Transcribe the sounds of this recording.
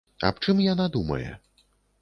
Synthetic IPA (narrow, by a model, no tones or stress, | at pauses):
a̰p̚t͡ʂɨmjanad̪umɐ̰jɛ̰